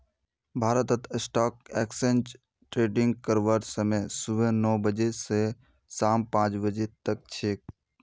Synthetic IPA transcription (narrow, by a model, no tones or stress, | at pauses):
bʱaːɾət̪ət̪ʰsʈaːk̚ɛːksenʈ | ʈɾeːɖɪŋɡ̚kəɾʋəɾsəmesʊbənɔːbəd͡ʒese | saːmpãːt͡ʃbəd͡ʒet̪ək̚t͡ʃʰeːk̚